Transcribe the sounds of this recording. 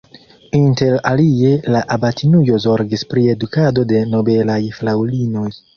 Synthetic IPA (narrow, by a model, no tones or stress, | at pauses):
inte̞ɾalie̞laʔabatʰinujo̞zo̞ɾɡispɾie̞dukado̞de̞no̞be̞lajflawlino̞j